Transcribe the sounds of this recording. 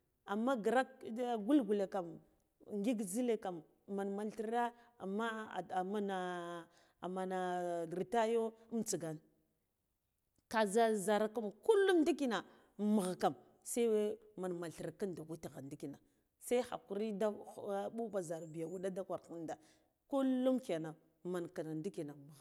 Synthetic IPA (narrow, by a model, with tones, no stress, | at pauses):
a˨mːa˦ɡɾa˦k̚ɡu˦lɡu˨le˨ka˨m | ŋɡi˦ɡzi˦le˦ka˨mː | a˨nma˨lɬi˦ɾa˦ | a˨mːa˦˨a˨ma˦na˨ | a˨ma˨na˨ɾi˨ta˦jo˦mt͡si˨ɡa˨n | ka˨za˦za˨ɾa˨ka˦mku˦lːu˦mndi˦ki˦na˨ | mə˨ɣka˨m | sa˦we˦ | ma˨nma˨lti˨ɾa˨ka˦nda˨ɡu˦ti˨ɣa˨ndi˦ki˨na˨ | sa˦i˦xa̰˨ku˨ɾi˦da˦ɓu˦ba˨za˨ɾbi˨ja˨wu˦ɗa˦da˦kʷa˨ɾku˦nda˨ | ku˦lːu˦mka˨na˨ | ma˨nka˨na˨ndi˦ki˨na˨m˨ɣ